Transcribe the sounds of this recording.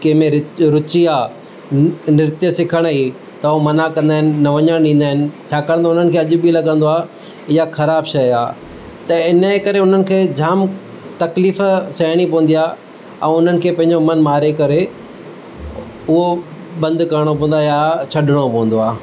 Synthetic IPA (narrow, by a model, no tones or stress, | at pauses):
kɐ̃ɦmẽɾɪɾʊt͡ɕiaː | nɪɾɪt̪jəsɪkʰəɽ̃i | t̪ɐomɐnakɐ̃nd̪aːɦɪnɪ̆nɐʋɐɲəɽ̃ɗĩːnd̪aːɪnɪ̆t͡ɕʰaːkəɽ̃nt̪ʰoʊn̤ənɪ̆kʰeːɐʄʊ̆bilɐɠɐ̃nd̪oaː | ɪjaxɐɾaːbʃɐjaː | t̪ɐɪnəkɐɾeʊn̤ənɪ̆kʰeːd͡ʑʱaːm | t̪ɐkliːfsɐjɽ̃ipɐ̃ʋə̃n̆d̪ijaː | ɛ̰̃ːʊn̤ənɪ̆kʰeːpɐ̃ɦɪ̃ɲd͡ʑomɐnmaːɾekɐɾe | ʊɦo | bɐ̃nd̪kɐɾɽ̃opɐ̃ːənd̪aːjat͡ɕʰɐɗɪɽ̃opɐʋə̃nd̪oaː